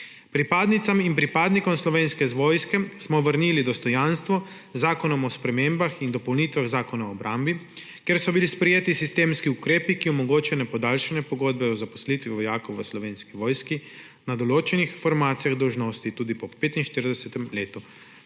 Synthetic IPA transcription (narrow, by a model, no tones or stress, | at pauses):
pɾipaːd̪nit̪saminpɾipaːd̪nikɔmslɔʋeːnskɛzʋoːjskɛsmɔʋəɾniːlid̪ɔst̪ɔjanst̪ʋɔ | zaːkɔnɔmɔspɾɛmeːmbaxind̪ɔpownit̪ʋaɣzaːkɔnaɔbɾʔaːmbi | kjeɾsɔbilispɾɛjeːt̪isist̪eːmskiukɾeːpikiɔmɔɡoːt͡ʃajɔnɛpɔd̪aːlʃɛnɛpɔɡoːd̪̚bɛɔzapɔ̥slit̪ʋiʋɔjaːkowʋəslɔʋeːnskiʋoːjski | nad̪ɔloːt͡ʃɛnixfɔɾmaːt̪sijaɣd̪ɔwʒnoːst̪it̪uːd̪ipɔpeːt̪inʃt̪iɾd̪ɛsɛt̪ɛmleːt̪u